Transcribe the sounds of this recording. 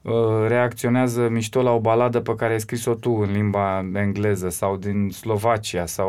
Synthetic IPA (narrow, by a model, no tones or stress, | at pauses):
ɾe̞ak̚t̪sio̞neazəmiʃt̪olao̞balad̪əpekaɾeajskɾiso̞t̪uɨnlimbaeŋɡle̞zəsawd̪inslo̞vat͡ʃiasaw